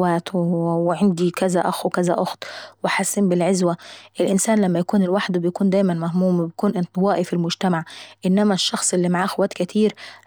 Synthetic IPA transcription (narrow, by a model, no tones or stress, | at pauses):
wæːt̪wweʕand̪ikæzæʔæxwkæzæ̰ʔʊxt̪ˤwɪħasːiːmbɪlʕezwæʔelʔɪnsæːnlæmːæjækuːnelwaħd̪bɪjækuːnd̪æːjmænmæhmuːmbjækuːnʔɪnt̪ˤwɑːʔifilmʊd͡ʒt̪æmaʕʔɪnːæmæʃːɑxsˤʔelːimaʕaːʔxwæːt̪kæt̪ʰiːɾ